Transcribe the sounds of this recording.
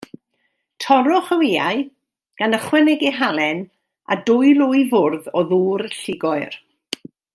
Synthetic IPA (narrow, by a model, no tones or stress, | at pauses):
tʰɔɾʊχəweːa̰ɨ | ɡ̥anəχwɛnɛɡiɦalˠɛn | a̰dʊɨlˠʊɨvʊrðɔðuːrɬɪɡɔɨr